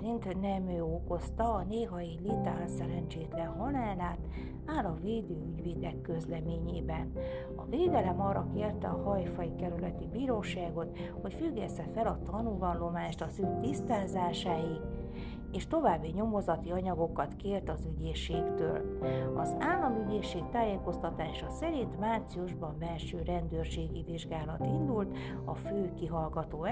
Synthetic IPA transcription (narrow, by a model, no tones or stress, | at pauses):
int̪nɛmøːoko̞st̪ɒːneːɦɒjilit̪aːlsɛɾɛɲt͡ʃeːt̪lɛnɦɒnaːlaːt̪ | aːlɒveːd̪øːyɟʋeːd̪ɛkːøzlɛmeːɲeːbɛn | ɒ̰veːd̪ɛlɛmɒːrːɒkeːrt̪ɛ̰ɒhɒjfɒjikɛɾylɛt̪ibiːɾoːʃaːɡo̞t̪ho̞cfyɡːɛst̪ɛfɛlɒt̪ɒnulvɒnlo̞maːʃt̪ɒzykt̪ist̪aːzaːʃaːji | eːʃt̪o̞vaːbːiɲo̞mo̞zɒt̪iɒɲɒɡo̞kɒt̪keːrt̪ɒzyɟeːʃeːkt̪ø̰ːlɒ̰zaːlːɒmyɟeːʃːeːkt̪aːjeːko̞st̪ɒt̪aːʃɒsɛɾint̪maːrt̪siuʒbɒɱbɛlʃøːɾɛnd̪øːrʃeːɡiviʒɡaːlɒt̪ind̪ult̪ | ɒføːkiɦɒlɡɒt̪oː